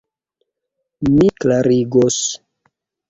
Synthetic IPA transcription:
miklaɾiɡos

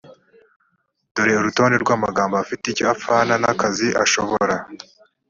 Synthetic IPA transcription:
d̥oɾe̞oɾuto̞ːnde̞ɾɡwaːmaɡaːmboafiteicoafaːnanakaziʔa̰ʃo̞βoɾa

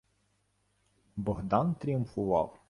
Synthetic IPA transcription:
bɔɦd̪ɑnt̪ɾʲijʊmfʊʋɑ̰w

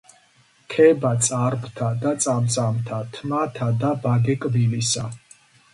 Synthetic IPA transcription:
kʰɛbat̪sʼaɾpʰt̪ʰad̪at̪sʼamt̪sʼamt̪ʰat̪ʰmat̪ʰad̪abaɡɛkʼbilisa

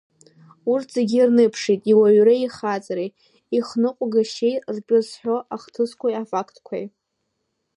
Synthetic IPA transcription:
urtʰz̥eɡʲirnɨpʰʂitʼiwaɥɾaiχat͡sʼaɾe | iχnɨqʷʼɡaʃejtʼrpʼʊzħʷᶣoʔaχtʰɨskʷʰajafakʰtʰʼkʷʰa̰j

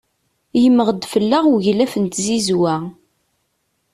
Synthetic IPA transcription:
jəmːəʁd̪fəlːaʁuʝlæfənt̪zizwæ

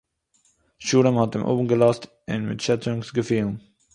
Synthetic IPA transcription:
ʃuːɾəmhɑtɪ̰mʔo̰ːbən̩ɡəlɑst | ʔɪ̰̃nmɪ̰tʃɛtɾʊŋksɡəfiːln

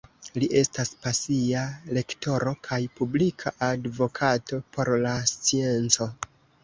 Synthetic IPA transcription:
liʔe̞staspasiale̞kto̞ɾo̞kʰajpublikʰaʔadvo̞kʰato̞pʰo̞ɾlast͡sie̞nt͡so̞

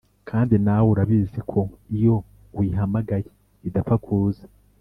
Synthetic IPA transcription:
kʰaːndinawuɾaβiːzikʰo̞ijo̞ | wiɦamaɡaje | idafakʰuːzḁ

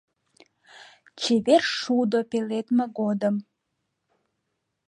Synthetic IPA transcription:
t͡ɕeβerʃud̪opelet̪meɡod̪əm

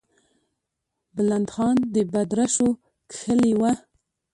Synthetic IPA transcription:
bəland̪xɑnd̪əbad̪ɾaʃo | kxəliwa

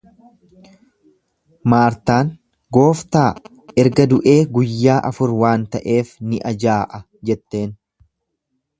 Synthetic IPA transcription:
maːɾt̪aːn | ɡo̞ːft̪aː | ɛɾɡɐd̪ʊʔe̞ːɡʊjːaːʔɐfʊɾwaːnt̪ɐʔe̞ːfnɪʔɐd͡ʒaːʔɐ | d͡ʒɛt̪ːe̞ːn

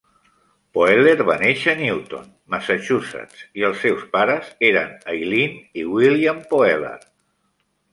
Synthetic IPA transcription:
poeleɾβaneʃəniwt̪o̰n | məsət͡ʃuzə̰t͡siəlˠsːɛwspaɾəzeɾənəjliniwiliampoɛlḛr

